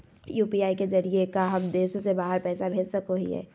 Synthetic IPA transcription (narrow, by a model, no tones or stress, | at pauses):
juːpiaːikezɐɾiekaɦɐmd̪eːssebaːɦəɾpɛːsabʱeːd͡ʒsɐkoɦḭɦɛ̰ː